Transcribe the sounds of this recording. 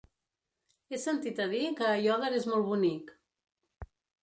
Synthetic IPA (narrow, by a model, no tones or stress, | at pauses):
esənt̪it̪əðikəːjɔðəɾezmɔlˠβunik